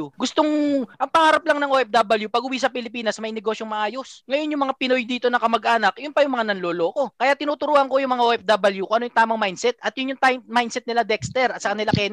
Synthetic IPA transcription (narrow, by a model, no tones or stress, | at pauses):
uɡʊst̪oŋʔɐŋpɐŋaːɾɐp̚lɐŋnɐŋʔoʔɛfd̪abɐljupɐɡ̚ʊwisɐpɪlɪpiːnɐsmɐjnɛɡo̞ːsjoŋmɐʔaːjo̞sŋɐjo̞njʊŋmɐŋapɪno̞jd̪iːt̪o̞nɐkɐmɐɡʔaːnɐkjʊnpɐjʊŋmɐŋanɐnloːlo̞ːko̞kɐjat̪ːɪnuːt̪ʊɾuːhɐŋko̞jʊŋmɐŋaʔoːʔɛfd̪abɐljukoŋʔɐnojʊŋt̪aːmɐŋmajnd̪sɛt̪ʔɐt̪̚jʊnjʊŋt̪ajmajnd̪sɛt̪̚nɪlad̪ɛkst̪ɛɾɐt̪sɐkɐnɪlakɛn